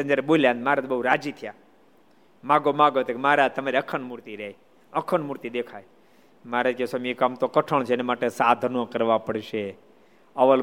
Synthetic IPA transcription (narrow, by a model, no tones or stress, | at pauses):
ə̃nd͡ʒaɾeboljãnd̪maɾat̪bəɦuɾad͡ʒit̪ʰija | maɡomãɡot̪ekemaɾat̪əmaɾiəkʰənmuɾt̪iɾeɦe | əkʰəɳmuɾt̪id̪ekʰaj | maɾad͡ʒkesomikamt̪okəʈʰəɳt͡ʃʰeenemaʈesad̪ʱnõkəɾʋapəɽʃe | əʋəl